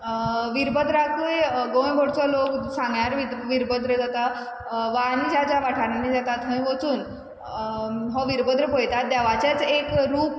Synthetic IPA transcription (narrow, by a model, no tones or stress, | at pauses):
ʋiɾbəd̪ɾakueɡõj̃bʱoɽt͡sɔloksãŋɡjaɾʋiʋiɾbəd̪ɾəd͡zat̪a | ʋanid͡ʑad͡ʑaʋaʈʰaɽanːid͡zat̪at̪ɦə̃ĩʋɔt͡suːn | ɦɔʋiɾbəd̪ɾəpojt̪at̪̚d̪aʋat͡ɕat͡sekɾuːp